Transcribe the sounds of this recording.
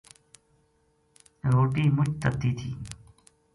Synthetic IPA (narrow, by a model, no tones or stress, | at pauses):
ɾoːʈiːmʊt͡ʃt̪ət̪ːiːt̪ʰiː